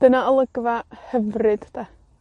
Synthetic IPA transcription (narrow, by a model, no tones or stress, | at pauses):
d̥ənaəlˠəɡvahəvrɨd̥d̥a